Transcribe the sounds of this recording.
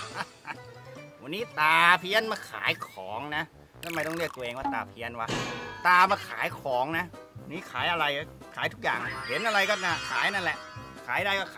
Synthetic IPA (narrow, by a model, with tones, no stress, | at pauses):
a˧wa˧nːiː˦˥t̪aː˨˩pʰi˧˥ə˨nmaː˧kʰa̰ː˨˩˦jkʰɔː˩˦ŋna˦˥ | t̪ʰa˧˩ma˧jt̪ɔ˥˩li˥˩ək̚t̪ʔeː˧ŋwaː˧˥˩t̪aː˨˩pʰi˧˥ə˨nwa˦˥˩t̪aː˧maː˧kʰaː˩˦jkʰɔː˩˦ŋna˦˥ | wa˧nːiː˦˥kʰaː˩˦jʔa˧ɾa˧j | kʰaː˨˩˦jt̪ʰu˦˥k̚ja̰ː˨˩ŋhe˩˦nʔa˧ɾa˧jkɔː˥˩naː˧˩kʰaː˨˩˦jna˧˥˩nlɛ˨˩ʔ | kʰaː˨˩˦jdaː˧jkɔː˥˩kʰː